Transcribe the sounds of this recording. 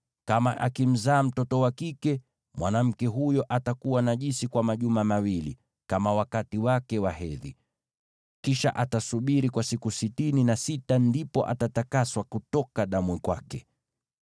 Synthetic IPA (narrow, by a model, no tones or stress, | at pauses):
kamaʔakim̩zaːm̩tɔtɔwakikɛ | mwanam̩kɛɦujɔʔatakuwanaʄisikwamaʄumamawilḭ | kamawakatiwakɛwaɦɛðḭ | kiʃa̰ʔatasuɓiɾikwasikusitininasitandipɔʔa̰tatakaswakutɔkaɗamwɛkwakɛ